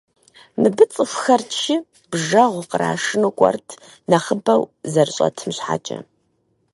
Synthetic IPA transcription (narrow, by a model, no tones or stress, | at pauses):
mɨbɨt͡sʼɨfxɐrtʃi | bʒɐʁʷqəɾa̰ːʂɨnukʷʼɔ̰rtʰ | nɐχəbɐwzɐrɨɕʼɐ̰tʰɨmɕħa̰ːt͡ʃʼɐ̰